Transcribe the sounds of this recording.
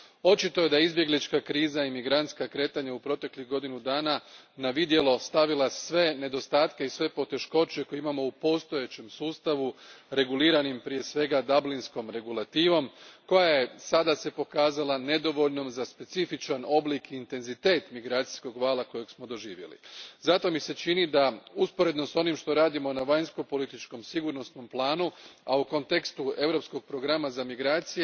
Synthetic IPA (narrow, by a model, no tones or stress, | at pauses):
o̞t͡ʃit̪o̞je̞d̪ajeizbje̞ɡlit͡ʃkakɾiːzaimiɡɾant̪skakɾe̞ːt̪aɲaupɾo̞t̪e̞kliɣɡo̞d̪inud̪aːnanaʋid̪je̞lo̞st̪aʋilˠasʋe̞ne̞d̪o̞st̪aːt̪ke̞isʋe̞po̞t̪e̞ʃko̞t͡ɕekojimamo̞upo̞st̪o̞jet͡ɕe̞msuːst̪aʋuɾe̞ɡuliːɾanimpɾije̞sʋe̞ɡad̪ablinsko̞mɾe̞ɡulat̪iːʋo̞mko̞jaje̞sad̪ase̞po̞kaːzalˠane̞d̪o̞ʋo̞ʎno̞mzaspe̞t̪sifit͡ʃano̞blikiːnt̪e̞nzit̪e̞ːt̪miɡɾaːt̪si̥sko̞ɡʋaːlˠako̞joɡsmo̞d̪o̞ʒiːʋje̞̰lḭzat̪o̞mise̞t͡ʃinid̪auspo̞ɾe̞d̪no̞so̞nimʃt̪o̞ɾaːd̪imo̞naʋaɲsko̞po̞lit̪it͡ʃko̞msiɡuɾno̞sno̞mplˠaːnuauko̞nt̪e̞kst̪ue̞ʋɾo̞psko̞ɡ̚pɾo̞ɡɾamazamiɡɾaːt̪sije